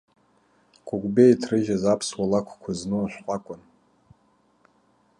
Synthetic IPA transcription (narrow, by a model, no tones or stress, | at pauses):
kʷʼʊɡʷʼbejtʰrɨʒazapʰswalakʷʰkʷʰaznɨaʃʷqʷʼakʷʼʊn